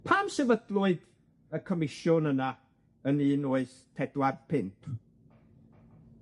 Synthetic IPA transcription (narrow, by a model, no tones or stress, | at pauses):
pʰaːmsɛvədlʊɨd | əkʰɔmɪʃjʊnəna | əniːnoɨθ | tʰɛdwadpʰɪnpʰ